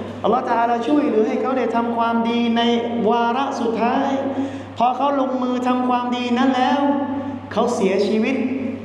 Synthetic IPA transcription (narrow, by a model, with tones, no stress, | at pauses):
ʔa˧lːɔː˦˥ht̪a˧ʔaː˧laː˧˥t͡ɕʰu˥˩əjɾɯː˩˦ɦa˥˩jkʰa˦˥wda˥˩jt̪ʰa˧mkʰwaː˧mdiː˧na˧jwaː˧ɾa˦˥su˨˩t̪ʰːaː˦˥j | pʰɔː˧kʰa˦˥wlo˧ŋmɯː˧t̪ʰa˧mkʰwaː˧mdiː˧na˦˥nlɛː˦˥w | kʰa˦˥wsi˩˦ɐt͡ɕʰiː˧wi˦˥t̪̚